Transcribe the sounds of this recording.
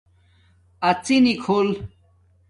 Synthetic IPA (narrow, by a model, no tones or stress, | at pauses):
at͡sinikʰol